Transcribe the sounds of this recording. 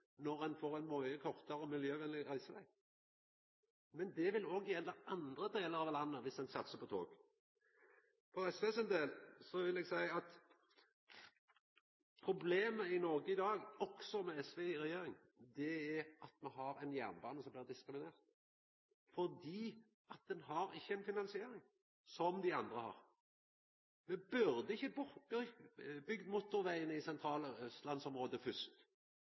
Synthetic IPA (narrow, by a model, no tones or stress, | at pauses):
nɔʁɛnfoːʁɛɪnmɔəkʰɔʁt̪əɾəɔmɪljøːʋɛnlɪʁæɪsəʋæ̰ɪ | mɛnd̪ɛʋɪloːɡjɛlːəɑnd̪ɾəd̪eːləɾɑʋlɑnːəʋɪsɛnsɑt̪ːsəpʰɔt̪ʰo̰ːɡ | fɔɛsʋeːsɛnd̪eːlsɔʋɪlɛɡsæɪɑt̪ | pʰɾʊbleːməɪnɔɾɡəɪd̪ɑːɡɔksɔmɛɛsʋɛɾɛjeːɾɪŋ | d̪ɛɛɾɑt̪mɛɦɑɾɛnjæ̰ʁnbɑ̰ːnəsɔmbliːʁd̪ɪskɾɪmɪneːʁt̪ | fɔʁd̪iː | ɑt̪̚d̪ɛnɦɑɾɪçːəɛnfɪnɑnsɪeːɾɪŋ | sɔmd̪ɪɑnd̪ʁəhɑ̰ʁ | mɛbʉɾd̪əɪçːəb | bʏɡd̪mʊt̪ːʊʁʋæɪənəɪsɛnt̪ʰɾɑːləœst̪lɑnsɔmʁoːd̪əfʏst̪